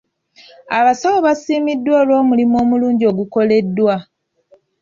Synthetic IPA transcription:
aβasawoβasiːmidːwoːlo̞ːmulimo̞ːmuluːɲɟio̞ːɡuko̞le̞dːwa

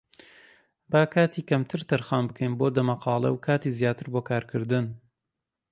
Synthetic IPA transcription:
baːkʰaːt̪ʰiːkɐmt̪ʰɨɾt̪ɐɾxaːnbɨkʰɐjnboːd̪ɐmɐqɑːlˠɐ̰wkʰaːt̪iːzjaːt̪ʰɨɾboːkʰaːɾkʰɨɾd̪ɨn

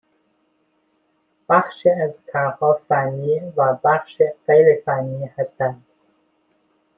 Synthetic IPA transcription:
b̥æxʃiæzk̪ʰæhɒːfænːivæbæxʃeɣejɾefænːiːhæst̪ænd̪̥

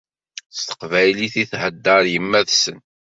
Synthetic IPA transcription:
st̪ə̥qvæjliθiθhəd̪ːəɾˤjəmːæðsən

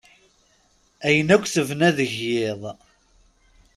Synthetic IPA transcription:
æjənækʷːθəvnæðəʝːɪðˤ

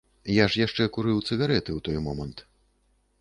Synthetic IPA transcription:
jaʂjaʂt͡ʂɛkuɾɨwt̪sɨɣaɾɛt̪ɨwt̪ɔjmɔmɐnt̪

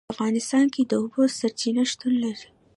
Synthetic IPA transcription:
ɐfɣɑːnɪst̪ɑːnkid̪obosɐɾt͡ʃinaʃt̪unlɐɾi

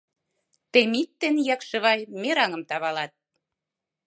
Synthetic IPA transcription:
t̪emit̪ːenjɑkʃɤ̆βɑjmeɾɑŋə̆mt̪ɑβɑlɑt̪̚

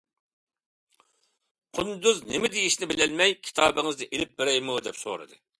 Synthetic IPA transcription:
qʰʊnd̪uznemɪd̪ejiʃnɪbɪlɛlmɛjkʲʰi̥t̪ʰɑːbɪŋɨznɪʔelɪp̚bɪɾɛjmud̪ɛpso̰ɾɨ̰d̪ɨ

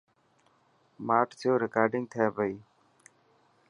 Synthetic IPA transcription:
maːʈt̪ʰoːɾɪkaːɾɖɪŋɡ̚t̪ʰaːbəiː

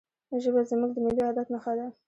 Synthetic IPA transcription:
ʒəbazəmuɡ̚d̪əmɪliad̪at̪məxad̪a

